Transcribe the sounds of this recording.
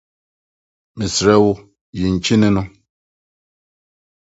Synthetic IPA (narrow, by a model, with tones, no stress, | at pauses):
mi˨sɾɛ˦wʊ˦ | ji˨n̩˨t͡ʃi˦ne˦nɔ˦